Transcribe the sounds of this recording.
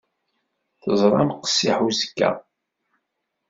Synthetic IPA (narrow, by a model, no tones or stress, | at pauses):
θəzˤɾˤɑmqə̥sːiħuzəkːæ̰